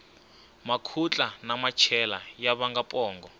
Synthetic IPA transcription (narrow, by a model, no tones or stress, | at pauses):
makʰut͡ɬʼanamat͡ʃʰɛlajaβaŋɡapʼɔːŋɡɔ